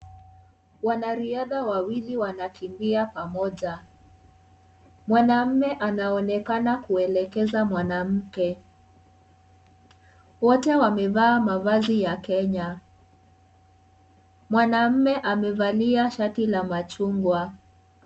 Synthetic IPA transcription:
wanaɾiaðawawiliwanakimbiapamɔʄa | mwanam̩mɛʔanaɔnɛkanakuɛlɛkɛzamwanam̩kɛ | wɔtɛwamɛvaːmavazijakɛɲa | mwanam̩mɛʔamɛvaliaʃatilamat͡ʃuŋɡwa

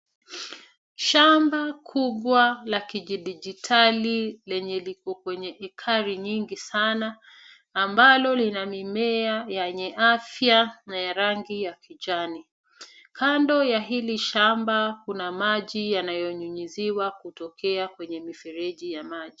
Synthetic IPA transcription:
ʃambakʰuɓwalakiʄiɗiʄitʰalilɛɲɛlikɔkwɛɲɛʔɛkʰaɾiɲiŋɡisanaː | mbalɔlinamimɛajaɲɛʔafjanajaɾaŋɡijakʰiʄani | kʰandɔjaɦiliʃambakunamaʄijanajɔɲuɲiziwakutɔkʰɛakwɛɲɛmifɛɾɛʄijamaʄi

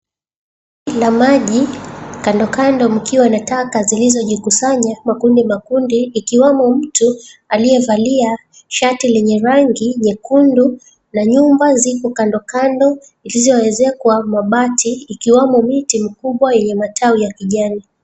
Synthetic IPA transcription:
ilamaʄikandɔkandɔm̩kiwanatakazilizɔʄikusaɲamakundimakundiːkiwamɔm̩tualijɛvalia | ʃatilɛɲɛɾaŋɡiɲɛkundu | naɲumbazikɔkandɔkandɔ | ilizɔɛzɛkwamaɓatʰiːkiwamɔmitimikuɓwajɛɲɛmatʰaujakiʄani

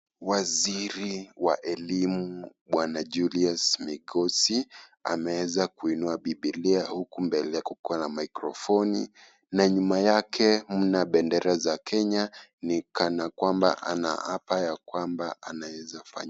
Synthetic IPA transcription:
waziɾiwaʔɛlimu | ɓwanad͡ʒuliasmiɡɔsia̰mɛwɛzakuinuaɓiɓiliahukumbɛlɛjakukɔanamaikɾɔfɔnḭ | naɲumajakʰɛm̩naɓɛndɛɾazakʰɛɲanikanakwamba̰ʔa̰na̰apajakwambaanawɛzafa̰ɲ

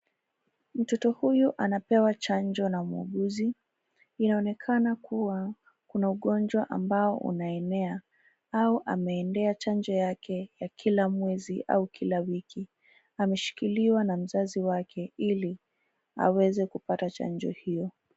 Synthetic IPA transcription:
m̩tɔtɔhujuʔanapɛwat͡ʃand͡ʒɔnamuɔ̰ɠuzi | inaɔnɛkʰanakʰuwa | kunauɠɔnd͡ʒwaʔa̰mbaɔ̰ʔṵnaɛnɛa | auʔa̰mɛːndɛat͡ʃand͡ʒɔjakʰɛjakʰilamwɛziʔa̰ukʰilawikʰi | amɛʃi̥kiliwanam̩zaziwakʰɛili | a̰wɛzɛkupatat͡ʃa̰nd͡ʒɔ̰hijɔ

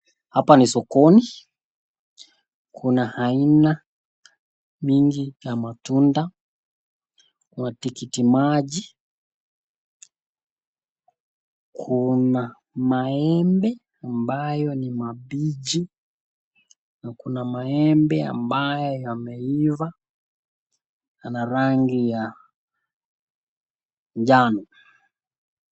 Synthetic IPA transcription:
hapanisɔkɔni | kʰunahaina | miŋɡijamatunda | kuwnatikitimaʄi | kʰuna | maɛmbɛ | ambajɔnimabid͡ʒi | nakunamaɛmbɛa̰mbajɔjamɛiva | anaɾaŋɡija | ʄanu

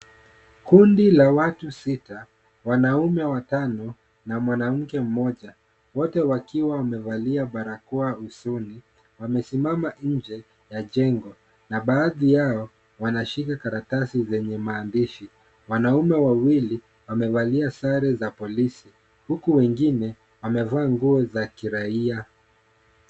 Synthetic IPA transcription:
kundilawatusita | wanaumɛwatanɔ | namwanam̩kɛm̩mɔʄa | wɔtɛwakiwawamɛvaliaɓaɾakuausuni | wamɛsimamaɲ̩d͡ʒɛ | jaʄɛŋɡɔ | naɓaːðijaɔ | wanaʃikakaɾatasizɛɲɛmaːndiʃi | wanaumɛwawili | wamɛvaliasaɾɛzapɔlisi | hukuwɛŋɡinɛ | wamɛvaːŋɡuɔzakiɾaia

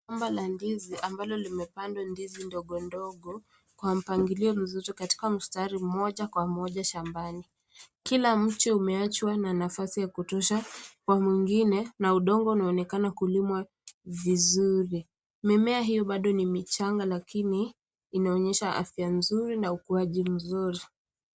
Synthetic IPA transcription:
ambalandiziʔambalɔlimɛpandwandizindɔɠɔndɔɠɔ | kwam̩paŋɡiliɔm̩zitɔkati̥kam̩staɾim̩mɔʄakwamɔʄaʃambani | kilam̩t͡ʃiumɛat͡ʃwananafasijakutɔʃakwamwiŋɡinɛnauɗɔŋɡɔunaɔnɛkanakulimwa | vizuɾi | mɛmɛaɦijɔɓaɗɔnimit͡ʃaŋɡalakiniː | naɔɲɛʃaʔa̰fjanzuɾinaukuaʄim̩zuɾi

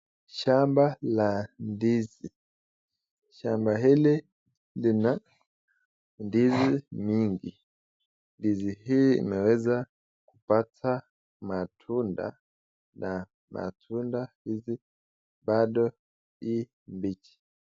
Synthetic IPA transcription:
ʃambalandizi | ʃambaɦili | lina | ndizimiŋɡi | ndiziɦiḭmɛwɛza | ku̥patʰa | matʰunda̰ | na | ma̰tʰundahizi | baɗɔ | i | mbit͡ʃi̥

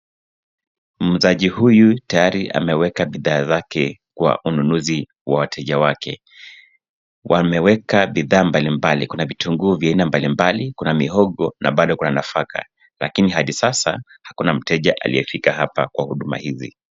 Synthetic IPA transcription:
m̩zaʄihujutajaɾiʔa̰mɛwɛkaɓiðaːzakɛkwa̰ʔununuzi | wawatʰɛʄawakɛ̰ | wʔa̰mɛwɛkaɓiðaːmbalimbalikunavituŋɡuːvjainambalimbalikunamiɦɔɠɔna̰ɓaɗɔkunanafaka̰ | la̰kinihaɗisasa̰ | hakunam̩tɛʄaʔa̰lḭjɛfikaɦapa̰kwahuɗuma̰hizḭ

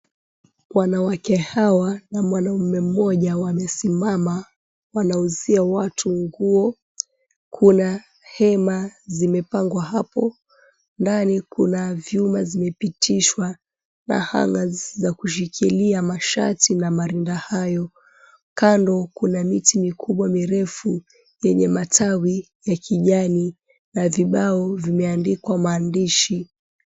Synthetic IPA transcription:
wanawakɛhawanamwanaumɛm̩mɔʄawamɛsimama | wanauziawatʰuŋɡuɔ | kʰuna | hɛmazimɛpaŋɡwaɦapɔ | ndanikunavjumazimɛpitʰiʃwa | na̰ha̰ŋazzakuʃ̬ikʰiliamaʃa̰tinamaɾindahajɔ | kandɔkunamitimikʰuɓwamiɾɛfu | jɛɲɛmatʰawi | jakʰiʄani | naviɓaɔvimɛandikwamaːndiʃi

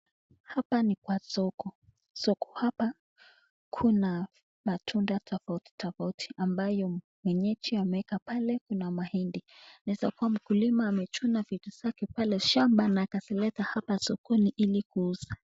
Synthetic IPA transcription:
hapanikwasɔkɔ | sɔkɔ̥hapa | kʰuna | matʰundatʰɔfauti̥tʰɔfautʰi̥ʔambajɔ | mwɛɲɛt͡ʃiamɛɛkapalɛkunamahindinaɛzakuam̩kulimaːmɛt͡ʃunavituz̥akɛpalɛʃambanaːkasilɛtahapasɔkɔniʔilikuuza

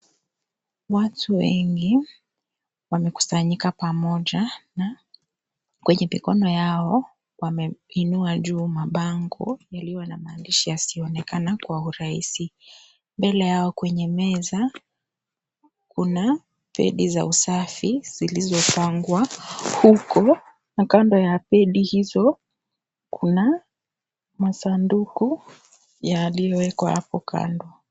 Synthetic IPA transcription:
watʰuwɛ̰ŋɡi | wamɛku̥saɲikapamɔʄana | kwɛɲɛmikɔnɔjaɔ | wamɛinuaʄuːmaɓaŋɡɔ̰jaliwanamaːndiʃijasiɔnɛkanakwauɾaisi | mbɛlɛjaɔkwɛɲɛmɛza | kuna | pɛ̰ɗiza̰usafiz̥ilizɔpaŋɡwahukɔ | nakandɔjapɛɗihizɔ | kʰuna | masanduku | jalijɔwɛkwaha̰pɔkʰa̰ndɔ

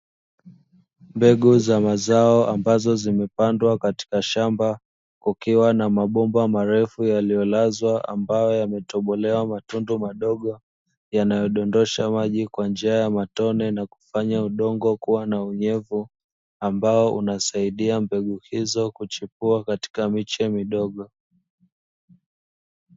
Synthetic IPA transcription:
mbɛɠuzamazaɔʔambazɔzimɛpandwakati̥kaʃamba | kukiwanamaɓɔmbamaɾɛfujalijɔlazwaʔa̰mbajɔjamɛtɔɓɔlɛwamatundumaɗɔɠɔ | janajɔɗɔndɔʃamaʄikwand͡ʒiajamatɔnɛnaku̥faɲauɗɔŋɡɔkuwanauɲɛvu | ambaɔʔṵnasaiɗiambɛɠuhizɔkut͡ʃipuakati̥kamit͡ʃɛmiɗɔɠɔ

